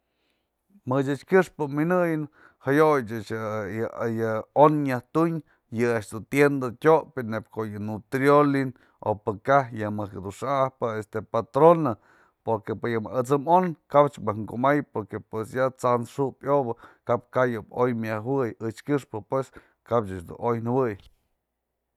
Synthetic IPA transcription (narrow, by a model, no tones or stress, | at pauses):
mɨt͡ʃɨt͡ʃkʲɨʂpɨminɨjɨn | hajojt͡ʃɨt͡ʃ | jɨonɲaht̪uɲ | jɨaʔt͡ʃd̪ut̪jend̪atʲoʔpʲɨnːep̚kojɨnut̪ɾjolin | o̰pɨkahjɨmɨkd̪uʂahpɨest̪epat̪ɾona | poɾkepɨjɨmaʔɨt͡sɨmonkabt͡ʃbɨhŋkuʔmajpoɾkepwesjat͡sanʂupjobɨkap̚kajɨbojmʲawɨjɨt͡ʃkʲɨʂpɨpwes | kapt͡ʃat͡ʃd̪ṵnojnɨwɨj